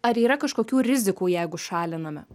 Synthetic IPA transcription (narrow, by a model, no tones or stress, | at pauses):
ɐɾiːɾɐkɐʃkoːkʲuːɾʲɪzʲɪkuːjɛɪɡʊʃɑːlʲɪnɐmʲɐ̰